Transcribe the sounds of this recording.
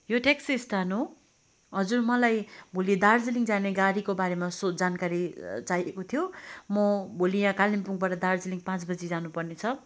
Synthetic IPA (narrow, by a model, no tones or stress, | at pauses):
joʈeksist̪ʰano | ɦʌd͡zurmʌlajbʱulid̪ard͡ziliŋd͡zaneɡaɾikobaɾemasod͡zankaɾit͡sajʔekot̪ʰijomʌbʱulijãkalimpuŋɡbaʈʌd̪ard͡ziliŋpãt͡sbʌd͡zid͡zanupʌrnet͡sʰʌ